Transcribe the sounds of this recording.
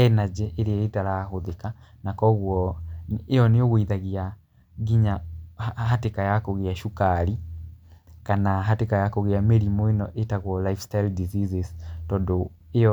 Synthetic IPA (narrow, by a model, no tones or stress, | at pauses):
ɛnad͡ʒɛʔeɾeetaɾaɦoðeka | nakɔɣwɔ | ejɔneoɣoiðaɣea | ɣiɲa | ɦatekajakoɣeaʃukaɾi | kanaɦatekajakoɣeameɾimɔenɔʔetaɣwɔlaifstajldizizeztɔndo | ejɔ